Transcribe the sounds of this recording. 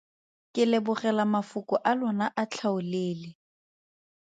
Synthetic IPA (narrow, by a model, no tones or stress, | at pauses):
kʼɪlebʊrɛlamafʊkʼʊʔalɔnaʔat͡ɬʰaʊleːlɪ